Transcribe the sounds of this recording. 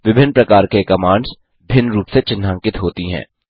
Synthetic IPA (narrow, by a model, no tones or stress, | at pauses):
ʋɪbʱɪnːpɾɐkaːɾkekɐmãːɳɖz | bʱɪnːɾuːpset͡ʃɪnːãːŋkɪt̪ɦoːt̪iɦɛ̰̃ː